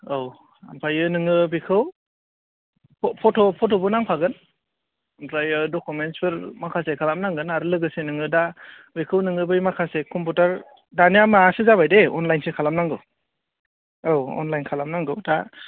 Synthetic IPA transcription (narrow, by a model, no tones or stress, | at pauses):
ow | a̰mpʰajɯnɯŋɯbikʰɯw | ppʰɔtʰɔpʰɔtɔbɯnaŋpʰaɡɯn | ampɾajɯdɔkumentsbɯɾmakʰasekʰalamnaŋɡɯnaɾɯlɯɡɯsenɯŋɯda | bikʰɯwnɯŋɯbɯjmakʰasekʰɔmputaɾ | daniamaasɯzabajdeɔnlajnsekʰalamnaŋɡɯw | owɔ̰nlajnkʰalamnaŋɡɯwta